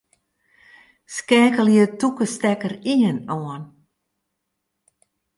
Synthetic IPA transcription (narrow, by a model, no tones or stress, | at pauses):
skɛːkəljətukəstɛkəriənɔən